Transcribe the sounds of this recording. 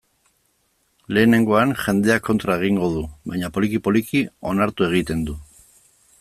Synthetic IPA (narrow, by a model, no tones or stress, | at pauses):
le̞ːne̞ŋɡo̞anʝe̞nd̪e̞akːo̞nt̪ɾaeɣ̞iŋɡo̞ðuβajɲapo̞likipo̞likio̞naɾt̪ue̞ɣ̞it̪e̞nd̪u